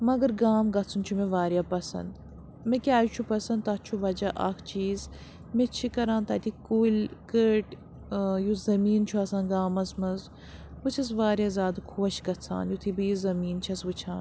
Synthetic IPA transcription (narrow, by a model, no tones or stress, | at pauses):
mɐɡɐɾɡaːmɡɐtt͡sʰɨnt͡ʃʰumeʋaːɾjaːpɐsɐ̰nd̪ | mẽkʲaːjut͡ʃʰupɐsɐnd̪t̪att͡ʃʰuʋɐd͡ʒɐʔɐkʰt͡ʃiːz | met͡ʃʰikɐɾãːnt̪ɐt̪ikuːlʲkəːʈ | juzɐmiːnt͡ʃʰuɐsãːnɡaːmɐzmɐz | bɨt͡ʃʰɐs̬ʋaːɾʲjaːzaːd̪kʰuɐʃɡɐt͡sʰa̰ːnjut̪ʰibiːzɐmiːnt͡ʃʰɐsʋɨt͡ʃʰa̰ːn